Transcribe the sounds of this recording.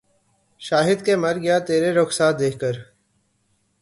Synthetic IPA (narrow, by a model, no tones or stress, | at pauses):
ʃaːɦɪd̪kemɐɾɡɐjat̪eːɾeɾʊxsaːt̪̚d̪eːkʰkəɾ